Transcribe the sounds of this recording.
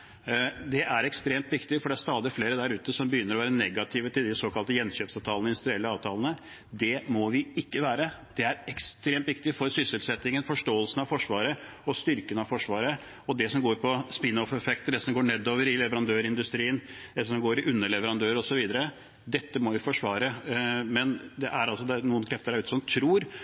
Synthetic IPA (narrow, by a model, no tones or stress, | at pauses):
d̪ɛʔæɾɛkst̪ɾeːmt̪ʋɪkt̪ɪfɔɖɛæɾʂt̪ɑːd̪ɪfleːɾəd̪æɾʉːt̪əsɔmbəjʏnːəɾɔʋæːɾənɛɡɑt̪ʰɪʋət̪ɪld̪ɪsoːkɑlt̪əjɛnɕøːpsɑʋt̪ʰɑːlnɪnd̪ʉst̪ɾɪɛlːəɑːʋt̪ʰɑːlənə | d̪ɛmɔʋɪɪkːəʋæːɾəd̪̥ɛæɾɛkst̪ɾeːmt̪ʋɪk̚t̪ɪfɔɾsʏsəlsɛt̪ːɪŋənfɔʂʈoːəlsənɑʋfɔʂʋɑːɾə | ɔst̪ʏɾkənɑʋfɔʂʋɑːɾə | ɔd̪ɛsɔmɡoːɾpʰɔspɪnɔfɛfɛkt̪d̪ɛsɔmɡoːɳɛd̪ːoːʋəɾɪlɛʋəɾɑnd̪øːɾɪnd̪ʉst̪ɾiːənd̪ɛsɔmɡoːɾɪʔʉnːəɭɛʋəɾɑnd̪øːɾəɔsɔʋiːd̪əɾə | d̪ɛt̪ːəmɔʋɪfɔʂʋɑːɾəmɛnd̪ɛʔæɾɑls̬ɔd̪ɛnuːənkʰɾɛft̪əɾæɾʉːt̪əsɔmt̪ʰɾuːɾ